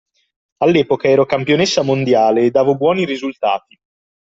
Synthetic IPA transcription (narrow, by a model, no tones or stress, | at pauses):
alːɛːpokaɛːɾokampjonesːamond̪jaːleːd̪ːaːvobwɔːniɾizult̪a̰ːt̪i̥